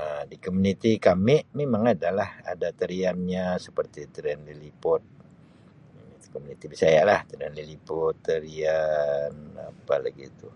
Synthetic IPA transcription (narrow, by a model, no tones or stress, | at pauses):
ədikomunit̪ikamɪʔmemaŋadalaha̰dat̪əɾianɲasə̥pərt̪it̪əɾianlilipʊt̪̚ | it̪u̥komunit̪ibisajaʔlaht̪əɾianlilipʊt̪ːəɾiana̰pala̰ɡit̪u